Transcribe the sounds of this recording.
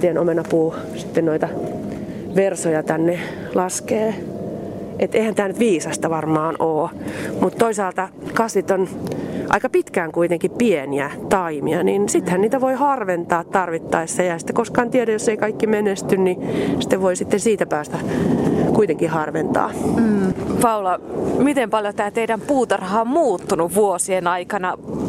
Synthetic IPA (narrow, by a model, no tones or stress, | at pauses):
t̪ienomenɑpuː | si̥t̪ːennoit̪ɑ | ʋersojɑt̪ænːe | lɑskeː | ʔet̪eihænt̪æːnyt̪ʋiːsɑsʲt̪ɑʋɑrmɑːnoːmut̪t̪oisɑːlt̪ɑ | kɑsʋit̪onʔɑ̰ikɑpit̪kæːŋkuit̪eŋkippieniæt̪ɑimiɑninsit̪hænniːt̪æʋoihɑrʋent̪ɑːt̪t̪ɑrʋit̪ːɑisːeehænsi̥t̪ːe̥koskɑːnt̪iɛɾæjosːeikɑikːimenest̪ynnisĭ̥t̪ːeʋʋoisit̪ːensiːt̪æpæːst̪æ | kuit̪eŋkihɑrʋent̪ɑ̰ː | pɑulɑmit̪empɑljot̪æːt̪eiɾæmpuːt̪ɑrhɑːmmuːt̪ːunuʋʋuosienɑikɑnɑ